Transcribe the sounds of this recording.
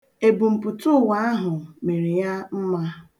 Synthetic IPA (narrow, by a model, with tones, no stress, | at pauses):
e˨bu˨m̩˨pʊ˨tʊ˦˨wa˦a˦ɦʊ˨me˨ɾi˨ja˦m̩˦ma˦